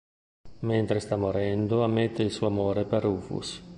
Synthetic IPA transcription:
ment̪ɾest̪amːoɾɛnd̪oamːet̪ːeilsuːamoːɾepeɾufṵs

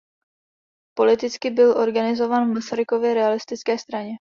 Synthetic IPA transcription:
po̞lɪt̪ɪt͡skɪbɪlʔo̞ɾɡanɪzo̞vaːnvmasaɾɪko̞vjɛɾɛalɪst̪ɪt͡skɛːst̪ɾaɲɛ

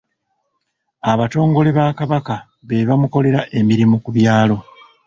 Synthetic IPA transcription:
aβato̞ːŋɡo̞leβaːkaβaka | βeβamuko̞le̞ɾaʔe̞miɾimukuβjaːlo̞

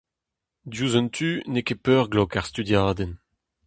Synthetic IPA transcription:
d̪juːzɔnt̪ʰyːnekepœːʁɡlɔkaʁst̪yd̪jaːd̪en

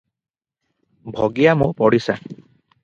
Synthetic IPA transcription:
bʱɔɡijamũpɔɽisa

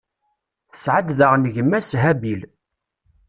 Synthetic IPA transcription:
θə̥sʕad̪ðəʁnʝəmːæsɦæbil

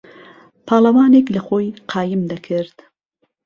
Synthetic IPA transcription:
pʰɑːlˠɐwɑːneklɐxoːjqʰɑːjɪmd̪ɐkʰɨɾd̪̥

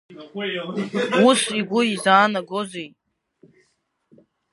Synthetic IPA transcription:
usiɡʷʊizaːnaɡozej

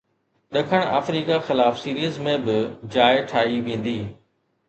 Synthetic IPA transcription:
ɗɐkʰəɽ̃a̰ːfɾiːkaxɪlaːfsiːɾiəzmẽbɪd͡ʑaːɪʈʰaːɦiʋẽːn̆d̪iː

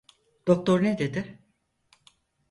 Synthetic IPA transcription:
d̪̥ok̚t̪ʰo̞ɾned̪e̞d̪ɪ

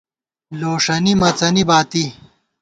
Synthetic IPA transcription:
loːʂɐnimɐt͡sɐnibaːt̪i

